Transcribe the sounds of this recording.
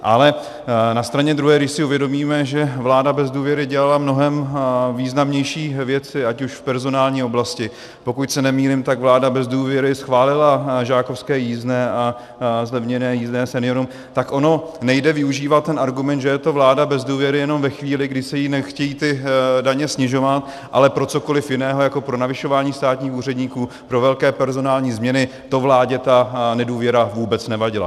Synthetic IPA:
ʔa̰lɛ | nast̪ɾaɲɛd̪ɾuɦɛːɡdɪʃsɪuvjɛdo̞miːmɛʒɛvlaːdabɛzduːvjɛɾɪɟɛlalamno̞ɦɛmviːznamɲɛjʃiːvjɛt͡sɪacuʃfpɛɾzo̞naːlɲiːo̞blascɪ | po̞kucsɛnɛmiːlɪmt̪aɡvlaːdabɛzduːvjɛɾɪsxvaːlɪlaʒaːkofskɛːjiːznɛːa | zlɛvɲɛnɛːjiːznɛːsɛnɪjo̞ɾum | t̪akʔo̞no̞nɛjdɛvɪuʒiːvat̪̚t̪ːɛnʔaɾɡumɛnt̪ʒɛjɛt̪o̞vlaːdabɛzduːvjɛɾɪjɛno̞mvɛxviːlɪɡdɪsɛjinɛxcɛjiːt̪ɪdaɲɛsɲɪʒo̞vat̪ | ʔa̰lɛpɾo̞t͡so̞ko̞lɪfjɪnɛːɦo̞jako̞pɾo̞navɪʃo̞vaːɲiːst̪aːt̪ɲiːxuːr̝ɛdɲiːkuː | pɾo̞vɛlkɛːpɛɾzo̞naːlɲiːzmɲɛnɪ | t̪o̞vlaːɟɛt̪anɛduːvjɛɾavuːbɛt͡snɛvaɟɪla̰

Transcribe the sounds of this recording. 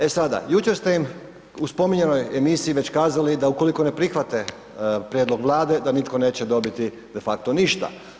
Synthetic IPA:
e̞sad̪a̰jut͡ɕe̞ɾst̪e̞im | uspo̞miɲe̞no̞je̞misiːʋe̞t͡ɕkaːzalid̪auko̞liko̞ne̞pɾixʋat̪e̞ | pɾjed̪lo̞ɡʋlˠaːd̪e̞d̪anit̪ko̞ne̞ːt͡ɕe̞d̪o̞bit̪i | d̪e̞fakt̪o̞niʃt̪a̰

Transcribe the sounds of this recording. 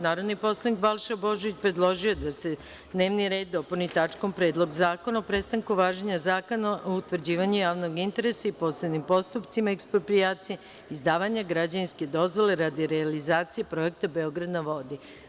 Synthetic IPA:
naːɾo̞d̪nipo̞slˠanikbalˠʃabo̞ʒoʋit͡ɕpɾe̞d̪lˠo̞ʒijo̞d̪ase̞ | d̪ne̞ːʋniɾe̞ːd̪̚dːo̞pulnit̪at͡ʃko̞mpɾe̞ːd̪lˠo̞ɡzaːko̞naopɾe̞st̪aŋkuʋaːʒeɲazaːko̞naʔout̪ʋr̩d͡ʑiːʋaɲujaːʋno̞ɡint̪e̞ɾe̞saipo̞ːsled̪nimpo̞st̪upt̪simaekspɾopɾijaːt̪sije | izd̪aːʋaɲaɡɾad͡ʑaninske̞d̪o̞zʋo̞le̞ɾad̪iɾealizaːt̪sije̞pɾo̞e̞k̚t̪abe̞o̞ɡɾad̪naʋo̞d̪i

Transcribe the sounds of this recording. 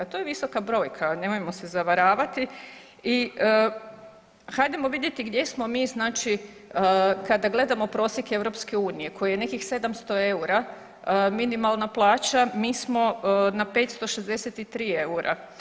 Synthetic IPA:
t̪ojeʋisokabɾo̞ːjkʰane̞mojmo̞sezaʋaɾaːʋat̪i | i | hajd̪emo̞ʋid̪jet̪iɡd̪je̞smo̞miːznaːt͡ʃi | kad̪aɡle̞d̪amo̞pɾo̞ːsjeke̞wɾo̞pske̞uːnije̞kʰo̞jajene̞kixse̞d̪amst̪o̞e̞uɾa | minimalˠnaplˠaːt͡ʃamiːsmo̞nape̞ːt̪st̪o̞ʃezd̪e̞set̪it̪ɾiːe̞uɾʔa̰

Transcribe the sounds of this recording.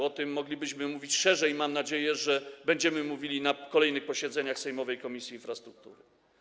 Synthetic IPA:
ɔt̪ɘmːɔɡlʲibɘɕmɘmuvʲit͡ɕʂɛʐɛimamnad͡ʑejɛʐɛbɛɲd͡ʑɛmɘmuvʲilʲinakɔlɛjnɘxpɔɕɛd̪zɛɲaxsɛjmɔvɛjkɔmʲisʲjiːnfɾast̪ɾuk̚t̪uɾɘ

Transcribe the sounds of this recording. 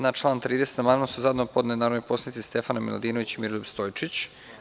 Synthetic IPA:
naʈ͡ʂlˠaːnt̪ɾiːd̪eset̪namannasuzad̪nopod̪ned̪naɾojposanit̪ist̪efanamḭla̰d̪iːnoʋit͡ɕimiɾolubst̪ojt͡ʂit͡ɕ

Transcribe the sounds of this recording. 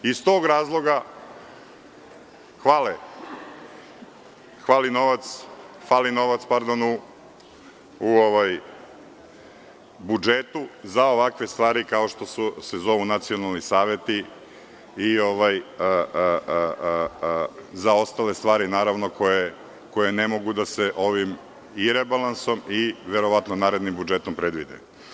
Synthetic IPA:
ist̪o̞ːɡɾaːzlˠo̞ɡa | xʋaːle | xʋaːlino̞ʋat̪s | xʋaːlino̞ʋat̪spaɾd̪onu | oʋaj | bud͡ʒet̪uzaoʋakʋe̞st̪ʋaːɾikao̞ʃt̪o̞susezo̞ʋunat̪sio̞nalˠnisaːʋe̞t̪i | io̞ʋajə | zao̞st̪ale̞st̪ʋaːɾinaːɾaʋno̞ko̞je | ko̞jenemo̞ɡud̪aseʔo̞ʋim | iɾebalˠanso̞miʋeɾo̞ʋat̪nonaːɾed̪nimbud͡ʒet̪ompɾed̪ʋid̪ḛ

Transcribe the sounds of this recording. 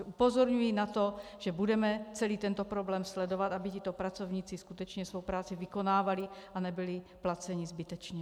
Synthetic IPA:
upozoɾɲujinat̪oʒɛbudɛmɛt͡sɛliːt̪ɛnt̪opɾoblɛːmslɛdovat̪ʔabicit̪opɾat͡sovɲiːt͡siskut̪ɛt͡ʃɲɛsvowpɾaːt͡sivɪkonaːvalɪʔanɛbɪlɪ | plat͡sɛɲizbɪt̪ɛt͡ʃɲɛ

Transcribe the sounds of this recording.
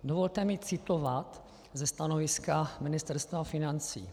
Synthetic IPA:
dovo̞lt̪ɛmɪt͡sɪt̪o̞vat̪ | zɛst̪anovɪskamɪnɪst̪ɛɾst̪vafɪnant͡sḭː

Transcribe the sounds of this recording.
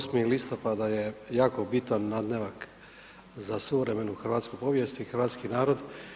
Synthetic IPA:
smilist̪o̞pad̪aje̞jaːkobit̪anːad̪ne̞ʋak | zasuʋɾeme̞nuxr̩ʋaːt̪skopo̞ʋje̞st̪ixr̩ʋaːt̪skinaːɾo̞d̪

